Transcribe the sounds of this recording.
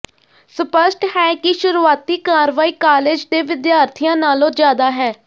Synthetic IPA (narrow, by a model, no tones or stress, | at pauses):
sʊpəsʈhɛːkɪʃʊɾuːaːt̪iːkaːɾʋaːiːkaːleːd͡ʒd̪eːʋɪd̪jaːɾt̪ʰijãːnaːlõːd͡ʒjaːd̪aːɦɛː